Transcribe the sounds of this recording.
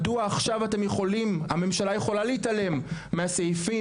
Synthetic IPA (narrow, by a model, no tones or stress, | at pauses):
duaːχʃavate̞mjeχo̞limame̞mʃalaje̞χo̞laleitale̞mːeasejfi